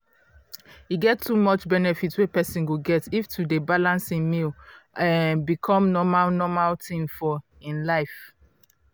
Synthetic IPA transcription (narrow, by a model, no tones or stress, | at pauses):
hiɡɛtʰːumɔt͡ʃbɛnɛfitswepɛsĩnwuɡɛtiftʰudebalãnsĩnmilɛ̃nbikʰɔ̃mnɔmalnɔmaltʰĩmfɔ | ĩnlaɪf